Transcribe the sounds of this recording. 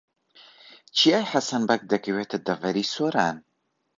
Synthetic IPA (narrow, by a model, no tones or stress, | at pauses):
t͡ʃʰiaːjħasɐnbɐk̚d̪ɐkɨweːt̪ʰɐd̪ɐvɐɾiːsoːɾaːn